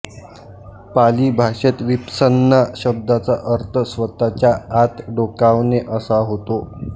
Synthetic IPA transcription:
paliːbʱaʂet̪ʋipsənːaɕəb̚d̪at͡saʔəɾt̪ʰəsʋət̪at͡ɕjaːt̪ɖokaʋneʔəsaɦot̪o

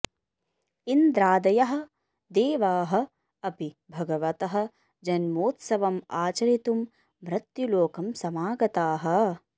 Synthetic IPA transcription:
ind̪ɾaːd̪ɐjɐɦɐ̆ | d̪eːʋaːɦɐ̆ | ɐpi | bʱɐɡɐʋɐt̪ɐɦɐ̆ | d͡ʒɐnmoːt̪sɐʋɐmaːt͡ʃɐɾit̪um | mɾɐt̪juloːkɐmsɐmaːɡɐt̪aːɦɐ̆

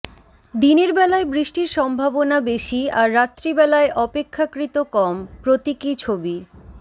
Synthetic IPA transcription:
d̪ineɾbɛlaebɾiʃʈiɾʃɔmbʱabonabeʃiaɾːat̪ːɾibɛlaeʔɔpekʰːakɾit̪okɔmpɾot̪ikit͡ɕʰobi

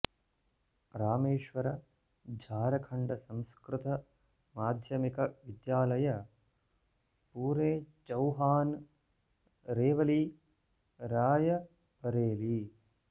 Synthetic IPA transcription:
ɾaːmeːʃʋɐɾɐ | d͡ʒʱaːɾɐkʰɐɳɖɐsɐ̃mskɾɪt̪ɐ | maːd̪ʱjɐmikɐʋid̪jaːlɐjɐ | puːɾeːt͡ʃɐwɦaːn | ɾeːʋɐli | ɾaːjɐ | pɐɾeːli

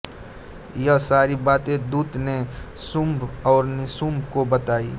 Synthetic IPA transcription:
jəsaːɾibaːt̪ẽd̪uːd̪ne | sʊmbɔːɾnɪsumbkobət̪aːiː

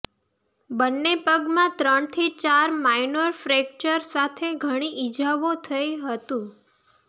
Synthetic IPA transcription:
bənːepəɡmãt̪ɾəɳ̃t̪ʰit͡ʃaɾmainoɾfɾek̚t͡ʃəɾsat̪ʰeɡʱəɽ̃iʔid͡ʒaʋot̪ʰəjiɦət̪ũ

